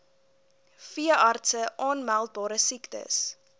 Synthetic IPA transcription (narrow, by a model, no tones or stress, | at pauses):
fiəʔɑrtsəʔɑːnmælˠt̚bɑːɾəsiktə̰s